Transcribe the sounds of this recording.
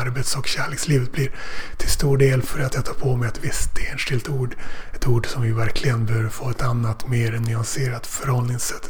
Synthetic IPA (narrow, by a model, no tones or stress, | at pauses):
aɾbeːt̪sɔkɕæːɭeːksliːvət̪̚blɪɾt̪ʰɪlst̪uːɖeːlfœɾat̪jɑt̪ʰɑːpʰɔmɛjat̪vɪst̪ʰeːnʂɪlt̪uːɖɛt̪uːɖsɔmvɪvæɾkʰlɪɡənbɛhøːvəɾfoːɛt̪anːat̪meːɾɛnːʏanseːɾat̪fœɾhɔlnɪŋsːɛt̪ː